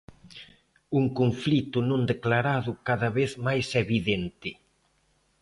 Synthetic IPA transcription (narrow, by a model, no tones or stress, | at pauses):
uŋkoɱflit̪ʊnõnd̪eklaɾaðʊkaðɐβeθmajsɛβiðent̪ɪ